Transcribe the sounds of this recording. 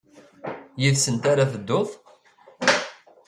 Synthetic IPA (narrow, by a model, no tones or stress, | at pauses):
jiðsənt̪aɾaθəd̪ːoθˤ